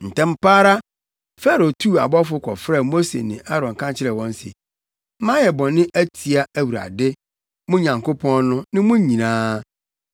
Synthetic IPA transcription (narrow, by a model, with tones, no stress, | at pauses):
n̩˨tʰɛ̃˦m̩˦paː˦ɾa˦ | fɛ˦ɾo˨tʰu˦a̰˨bɔ˦fʊ˦kʰɔ̰˨fɾɛ˦˨mo˦sḛ˨nɪ̃˨ʔa˦ɾɔ̃˨ŋ˨kʰã˦t͡ɕʰɪ˦ɾɛ˨wɔ̃˦n̩˦sḭ˨˦ | mã˦jɛ˨bɔ̃˨nɪ̃˦ʔæ˦tʰi˨a˦æ˨wu˨ɾa̰˨dɪ˦ | mʊ̃˦ɲã˨ŋko˦pʰɔ̃˦nnʊ̃˦nɪ̃˦mʊ̃˦ɲĩ˨nãː˦